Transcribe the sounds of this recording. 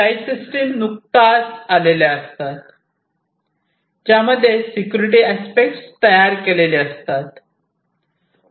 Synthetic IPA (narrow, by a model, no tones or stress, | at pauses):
aisisʈiːmnuk̚t̪at͡saleleəst̪at̪ | d͡ʑjaməd̪ʱːjesikjuɾiʈ̬iæspek̚ʈst̪əjaɾkeleleəst̪at̪